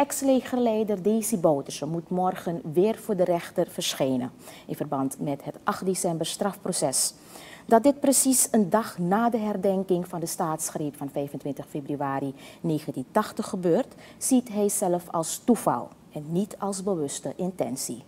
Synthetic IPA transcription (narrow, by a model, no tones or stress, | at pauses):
ɛkslejχərlɛjdərdejzəbowtəsəmutmɔrχənʋɪːrvʊːɹdərɛχtərvəɹsχejnə̰nɪnvərbɑntmɛtɦətʔɑχt̚desɛmbəɹstrɑfprosɛs | dɑt̚dɪt̚prəsisəndɑχnaːdəɦɛrdɛŋkɪŋvɑndəstaːtsχrejpfɑnfɛjvəntʋɪntəχfebryaːɾineːχəntintɑχtəχːəbøːrt | sitɦɛjzɛləfɑ̰lˠstuvɑ̰lˠ | ɛnːitʰɑlˠsbəʋɵstəʔɪntɛ̰nsi